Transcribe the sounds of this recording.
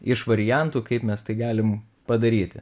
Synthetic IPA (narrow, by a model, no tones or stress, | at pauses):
ɪʃʋɐɾʲɪjænt̪uːkɐɪpmʲɛst̪ɐɪɡɑːlʲɪm | pɐd̪ɐɾʲiːt̪ʲɪ